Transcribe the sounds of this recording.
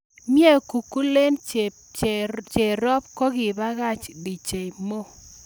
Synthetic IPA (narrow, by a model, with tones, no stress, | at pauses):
mje˦ku˨ku˦le˦n | t͡ʃe˨ɾɔ˦p̚ko˦ɡɪ˨ba˦ɣa˦t͡ʃdi˨t͡ʃe˨i˨mo˦